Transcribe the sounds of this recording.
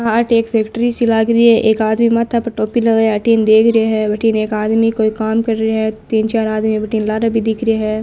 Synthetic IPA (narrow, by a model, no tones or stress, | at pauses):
ɦãɐʈeːkpʰeːkʈəɾisɪlaːɡɾiɛʔeːkaːd̪mimat̪ʰapɐʈoːpilɐɡeɐʈiːnd̪eːkʰɾɪeɦɛːbɐʈiːneːkaːd̪mikoːikaːmkɐɾːeɦɛt̪iːnt͡ʃaːɾaːd̪mibɐʈiːnlaːɾabʱid̪ɪkʰɾɪeɦɛː